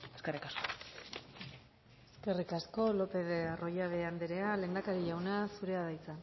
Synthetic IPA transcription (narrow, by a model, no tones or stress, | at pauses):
eskerikasko | e̞ske̞rikasko̞lo̞pe̞ðerʔo̞jaβeand̪eɾeale̞ːnd̪akaɾiʝawnasuɾe̞aðajt͡sa